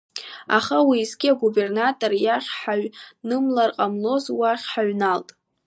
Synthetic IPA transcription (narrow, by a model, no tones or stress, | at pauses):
a̰χawiːzɡʲiaɡube̞rnatʼorjaχʲħaɥnɨmlarqʼamlo̞zwaχʲħaɥnaltʼ